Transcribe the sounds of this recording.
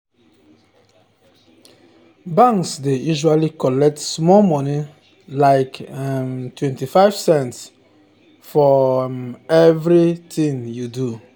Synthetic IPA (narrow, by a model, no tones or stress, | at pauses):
bãŋksdejuʒalikɔlɛk̚tsmɔmɔni | laɪkmtʰwɛ̃ntifaɪv̥sɛ̃nts | fɔmɛvɹitĩŋjudu